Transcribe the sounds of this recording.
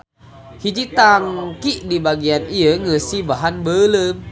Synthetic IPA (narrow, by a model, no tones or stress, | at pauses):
hid͡ʒit̪aŋkiʔdibaɡianiəŋəsibaɦanbələm